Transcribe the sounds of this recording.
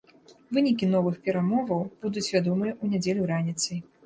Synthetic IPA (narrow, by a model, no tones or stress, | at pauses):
vɨnʲik̬ʲin̪ɔvɨxpʲɛɾamɔvɐwb̥ud̪ut͡sʲvʲad̪ɔmɨjɛʔunʲad͡zʲelʲuɾanʲit̪sɨj